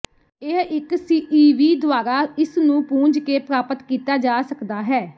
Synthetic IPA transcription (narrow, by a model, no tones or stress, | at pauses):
eɦɪksiːʔiːʋiːd̪ʊaːɾaːɪsnũːpũːɲd͡ʒkeːpɾaːpət̪kiːt̪aːd͡ʒaːsəkd̪aːɦɛː